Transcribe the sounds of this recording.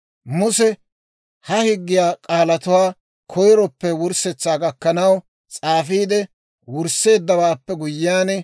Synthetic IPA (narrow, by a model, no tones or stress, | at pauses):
mʊsɛ | hɐhɪɡːɪjaːkʼaːlɐt̪ʊwaː | kʰɔjɾɔpːɛwʊɾsɛt͡sːaːɡɐkːɐnɐw | t͡sʼaːfiːd̪ɛ | wʊɾsːe̞ːd̪ːɐwaːpːɛɡʊjːɪjaːnɛ